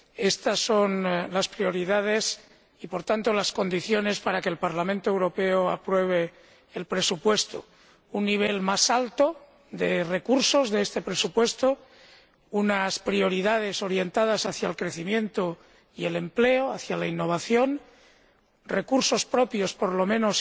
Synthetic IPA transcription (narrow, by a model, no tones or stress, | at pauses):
e̞st̪asːo̞nlaspɾio̞ɾiðað̞e̞s | ipo̞ɾt̪ant̪o̞lasko̞nd̪iθjo̞ne̞spaɾake̞ːlpaɾlamẽnt̪oewɾo̞pe̞oa̰pɾwe̞β̞e̞ː | lpɾe̞supwe̞st̪o̥̰ | unːiβ̞e̞lmasalt̪o̞ | ðe̞re̞kuɾso̞zðeest̪e̞pɾe̞supwe̞st̪o | unaspɾio̞ɾiðað̞e̞so̞ɾje̞nt̪að̞asaθjaelkɾe̞θimjẽ̞nt̪o | ie̞le̞mple̞oaθjalainːo̞β̞aθjo̞n | rekuɾso̞spɾo̞pjo̞spo̞ɾlo̞mẽnos